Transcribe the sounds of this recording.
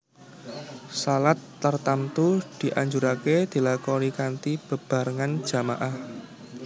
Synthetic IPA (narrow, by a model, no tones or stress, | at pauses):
salat̪ːərt̪amt̪ud̪̥i̤ʔaɲd͡ʒuɾaked̪̥i̤lakɔɾikant̪ib̥ə̤b̥a̤ɾəŋan̥ʒ̥a̤maʔah